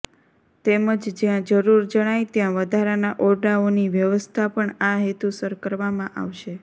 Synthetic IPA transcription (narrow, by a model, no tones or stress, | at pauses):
t̪eməd͡ʒd͡ʒjãd͡ʒəɾuɾd͡ʒəɽ̃ajt̪jãʋəd̪ʱaɾanaʔɔɾɖaoniʋjəʋəst̪ʰapəɳaɦet̪usəɾkəɾʋamãʔa̰ʋʃe